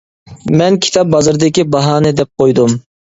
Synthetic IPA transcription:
mɛnkʲʰi̥t̪ʰɑp̚bɑzɨɾd̪ɪkʲibɑɦɑːnɛd̪ɛp̚qʰojd̪um

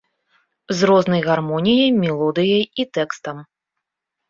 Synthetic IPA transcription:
zrɔznɐjɣarmɔnʲijɐjmʲɛlˠɔd̪ɨjɐjit̪ɛkst̪ɐm

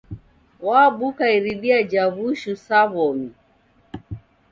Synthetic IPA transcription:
waɓukaiɾiɗiad͡ʒaβuʃusaβɔmi

